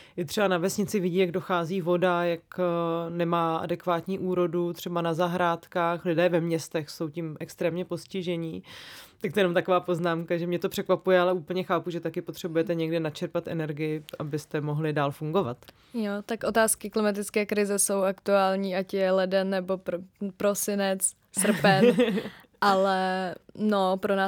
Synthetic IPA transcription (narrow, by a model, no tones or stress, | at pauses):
jɪt̪r̥ɛbanavɛsɲɪt͡sɪvɪɟiːjaɡdo̞xaːziːvo̞dajaknɛmaːʔa̰dɛkvaːt̪ɲiːʔuːɾo̞dut̪r̝̥ɛbanazaɦɾaːt̪kaːxlɪdɛːvɛmɲɛst̪ɛxso̞wcɪmʔɛkst̪ɾɛːmɲɛpo̞scɪʒɛɲɪt̪akt̪ojɛnomt̪akovaːpo̞znaːmkaʒɛmɲɛt̪o̞pr̥ɛkvapujɛalɛuːpl̩ɲɛxaːpuʒɛt̪akɪpo̞t̪r̝̥ɛbujɛt̪ɛɲɛɡdɪnat͡ʃɛɾpat̪ʔɛ̰nɛɾɡɪjɪʔabɪst̪ɛmoɦlɪdaːlfuŋɡo̞vat̪ | jot̪akʔo̞t̪aːskɪklɪmat̪ɪt͡skɛːkɾɪzɛso̞wakt̪uaːlɲiːʔacjɛlɛdɛnːɛbo̞ppɾosɪnɛt͡s | sr̩pɛn | ʔalɛnopɾonaː